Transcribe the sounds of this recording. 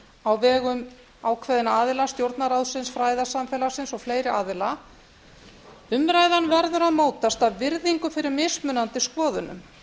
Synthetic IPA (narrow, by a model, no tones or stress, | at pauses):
awvɛːɣʏm | aːwkʰvɛːðɪnaaːðɪlast̪jowɾt̪naɾawðsɪnsfɾaːjðasamfɛlasɪnsɔɣfleːjɾɪaːðɪla | ʏmɾajðanvɛɾðʏɾaðmoːwt̪ast̪aðvɪɾðiŋkʏfɪɾɪɾmɪsmʏnant̪ɪskvɔːðʏnʏ̰m